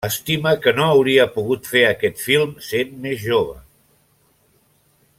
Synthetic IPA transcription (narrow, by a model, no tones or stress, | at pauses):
əst̪iməkənoəwɾiəpuɣut̪feəkɛt̪filˠmsenmezʒoβə̰